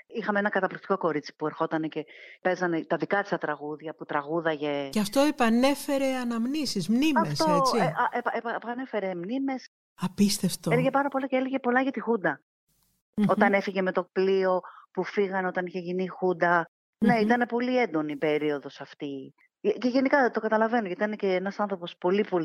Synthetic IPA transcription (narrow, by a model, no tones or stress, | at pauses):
ixɐmeenɐkɐt̪ɐplikt̪iko̞ko̞ɾit͡si̥pue̞ɾxo̞t̪ɐne̞ce̞pe̞zɐnet̪ɐðikɐt̪ist̪ɐt̪ɾɐɣuðʝɐput̪ɾɐɣuðɐʝe̞ceɐft̪o̞epɐne̞fe̞ɾe̞ɐnɐmnisizmnimɐefst̪oeieepɐpɐne̞fe̞ɾe̞mnime̞s | ɐpist̪eft̪oeleʝepɐɾɐpo̞lɐceeleʝe̞po̞lɐʝɐt̪ixund̪ɐ | o̞t̪ɐne̞fiʝe̞me̞t̪o̞k̚plio̞pufiɣɐno̞t̪ɐniçeʝinixund̪ɐ | ne̞it̪ɐne̞po̞lie̞nd̪o̞niːpe̞ɾio̞ðo̞sɐft̪i | ce̞ʝe̞nikɐt̪okɐt̪ɐlɐve̞noʝɐt̪it̪ɐneceenɐsɐnθɾo̞po̞spo̞lipo̞l